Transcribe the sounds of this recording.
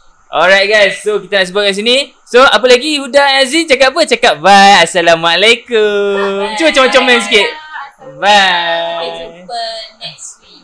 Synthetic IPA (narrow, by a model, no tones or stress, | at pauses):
ʔɔlɹajt̚ɡajsːokit̪anaʔs̬əbuat̚ɡas̬ini | soʔap̬əlaɡihudanazit͡ʃakap̚pət͡ʃakap̚bajasalamaʔlajkumt͡ʃumat͡ʃamat͡ʃaŋmɛ̃ns̬kiʔ̚ba